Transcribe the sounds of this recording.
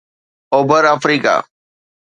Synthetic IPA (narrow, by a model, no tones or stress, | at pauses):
oːbəɾaːfɾiːka̰ː